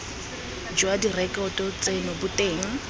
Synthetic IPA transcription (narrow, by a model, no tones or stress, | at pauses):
d͡ʒʊadirɛkʼɔtʼɔt͡sʼenʊbʊteːŋ̩